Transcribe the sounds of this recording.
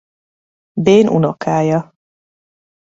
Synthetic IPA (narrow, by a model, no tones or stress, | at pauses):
beːnʔṵnokaːjɒ